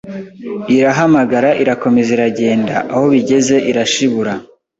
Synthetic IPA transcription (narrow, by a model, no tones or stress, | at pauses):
iɾaɦamaɡaɾaʔiɾako̞me̞ziɾaɟe̞ːnda̰ʔaho̞βiɟe̞ze̞ʔiɾaʃiβuɾa